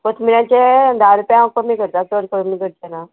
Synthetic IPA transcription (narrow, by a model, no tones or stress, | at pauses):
kot̪ʰmiɾjãt͡ɕed̪ʱaɾupjãkəmikəɾt̪asəɾkəmikəɾt̪ena